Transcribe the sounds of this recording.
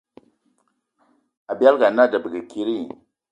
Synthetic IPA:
a˨ba˦lɡa˨na˦˨da˨bə˨ɡə˨ki˦ɾi˦˨

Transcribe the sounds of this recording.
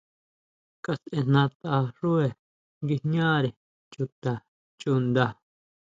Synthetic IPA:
ka˧sʔẽ˧n̥nã˧t̪a˧ʂu˦e˨ | ŋɡi˧ɲãː˦ɾe˨ | t͡ʃu˧t̪a˨ | t͡ʃu˧nd̪a˧˨

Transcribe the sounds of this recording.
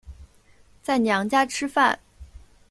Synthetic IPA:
t͡sa˥˩ɪnjɑ˧˥ŋt͡ɕja˥ʈ͡ʂʰɻ̩˥fa̰˥˩n

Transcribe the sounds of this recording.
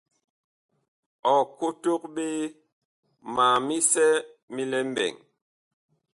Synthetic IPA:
ɔ˨ko˦to˦k̚ɓe˦ | ma˨mi˦sɛ˦ | mi˦lɛ˦m˦bɛ̰˨ŋ

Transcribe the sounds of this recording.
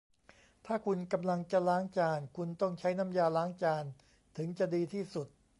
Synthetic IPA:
t̪ʰaː˥˩kʰu˧nka˧mla˧ŋt͡ɕa˨˩laː˦˥ŋt͡ɕaː˧nkʰu˧nt̪ɔ˥˩ŋt͡ɕʰa˦˥jna˧˥˩mjaː˧laː˦˥ŋt͡ɕaː˧n | t̪ʰɯ˩˦ŋt͡ɕa˨˩diː˧t̪ʰiː˥˩su˨˩t̪̚

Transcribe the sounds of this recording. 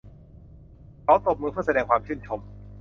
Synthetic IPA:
kʰa˨˦wt̪o˨˩p̚mɯː˧pʰɯ˥˩ɐsa˧ɛː˧ŋkʰwaː˧mt͡ɕʰɯː˥˩nt͡ɕʰo˧m

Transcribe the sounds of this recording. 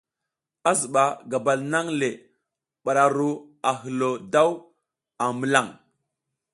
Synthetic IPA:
a˦zə˨ɓa˨ɡa˨ba˨lna˦ŋle˨ | ɓa˨ɾa˨ɾu˦ | a˨ɦə˨lo˨da˦w | a˨mə˨la˦˨ŋ

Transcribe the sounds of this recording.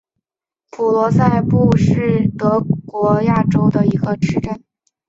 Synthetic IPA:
pʰu˨˩lwɔ˧˥sa˥˧ɪpu˥˧ʂɻ̩˥˩t̪ɤ˧˥kwɔ˧˥ja˥˩ʈ͡ʂo˥ʊd̪ə˨i˧˥ɡə˧ʈ͡ʂʰɻ̩˧˥ʈ͡ʂə˥˩n

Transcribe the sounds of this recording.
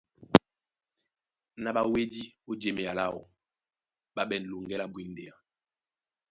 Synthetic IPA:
na˦˨ɓa˨we˦di˦o˦d͡ʒe˨me˨a˨la˦˨wɔ̰˨ | ɓa˦ɓɛ˨n˨lu˨ŋɡɛ˦la˦bwi˨nde˨a˨

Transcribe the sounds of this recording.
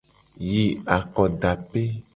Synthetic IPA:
ji˨a˨kɔ˨ɖa˨pe˦

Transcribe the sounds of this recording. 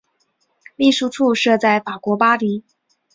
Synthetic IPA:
li˥˩ʂu˥˧ʈ͡ʂʰu˥˧ʂɤ˥˧t͡sa˥˩ɪfa˨˩kwɔ˧˥pa˥li˧˥

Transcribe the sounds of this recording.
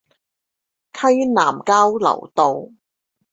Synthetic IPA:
kʰɐ˥ɥnaː˨˩mkaː˥wlɐ̰˨˩wt̪o˨w

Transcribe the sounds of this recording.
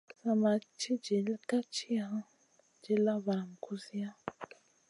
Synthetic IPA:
sa˨ma˨t͡ʃʰi˦d͡ʒe˨lka˦t͡ʃʰi˦ɦã˦ | d͡ʒe˨la˦βa˨m˨kʰu˦si˦ja˦

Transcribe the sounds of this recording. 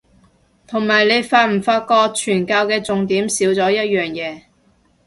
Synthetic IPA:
t̪ʰʊ˨˩ŋmaː˨˩jle˨˧jfaː˧t̚m̩˨˩faː˧t̚kɔː˧k̚t͡ʃʰyː˨˩nkaː˧wkɛː˧t͡sʊ˨ŋt̪iː˨˥msiː˨˥wt͡sɔː˨˥jɐ˥t̚jœː˨ŋjɛː˨˧

